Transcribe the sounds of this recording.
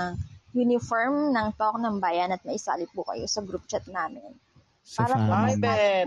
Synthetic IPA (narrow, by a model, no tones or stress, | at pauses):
ŋjunɪfoɹmnɐŋt̪ok̚nɐŋbaːjɐnɐt̪̚nɐʔɪsa̰ːlɪp̚pukɐ̰jo̰sɐɡɾup̚t͡ʃɐt̪̚naːmɪn | paːɾɐpomɐbaɛ